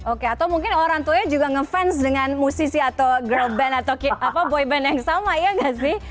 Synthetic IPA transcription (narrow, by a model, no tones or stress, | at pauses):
okeat̪awmuŋkɪnoɾaŋt̪uaɲad͡ʒuɡaŋəfɛnsdəŋanmusisiat̪awɡəlbɛnat̪awkiapabɔjbɛnjaŋsamajaŋɡaʔsɪh